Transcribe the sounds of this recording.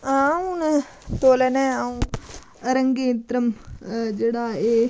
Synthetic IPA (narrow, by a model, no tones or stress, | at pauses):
aːũn | t̪oːlɐneaːũ | ɐɾɐŋɡeːt̪ɾɐmd͡ʒeːɽaːeː